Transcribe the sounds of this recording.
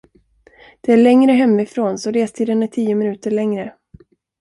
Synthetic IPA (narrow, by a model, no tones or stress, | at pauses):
d̪̥ɛæɭɛŋɾəɦɛmːɪfɾoːnsɔɾeːst̪ʰiːd̪ənæʈʰiːʊmɪnʉ̟ːt̪əɭɛŋɾə